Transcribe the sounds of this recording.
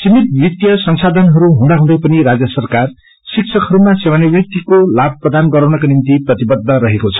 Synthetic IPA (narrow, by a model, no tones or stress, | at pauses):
simit̪̚bit̪jʌsʌŋsad̪ʱʌnɦʌɾuɦũnd̪aɦũd̪ʌjpʌniɾad͡zjʌsʌrkar | sik̚sʰʌkɦʌɾumasewanibrit̪ːikolab̚prʌd̪anɡʌɾawnʌkanint̪iprʌt̪ibʌd̪ʱːʌɾʌɦekot͡sʰʌ̥